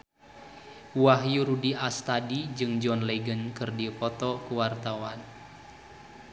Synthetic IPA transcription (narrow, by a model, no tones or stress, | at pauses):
waɦjuɾudiast̪adid͡ʒɨŋd͡ʒɔnlɛɡənkɨrdipɔt̪ɔkuwart̪awan